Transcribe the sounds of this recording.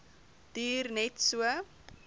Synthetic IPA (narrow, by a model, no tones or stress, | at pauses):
d̥yːrnɛtsuə